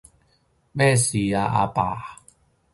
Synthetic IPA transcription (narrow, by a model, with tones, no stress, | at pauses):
mɛ˥˨si˨a˧ʔa̰˧pa̰˨